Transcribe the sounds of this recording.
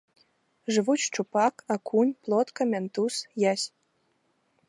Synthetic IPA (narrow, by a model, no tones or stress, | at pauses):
ʐɨ̆vut͡ɕt͡ʃupɑkakʰunʲplˠot̪kɐmʲent̪usjasʲ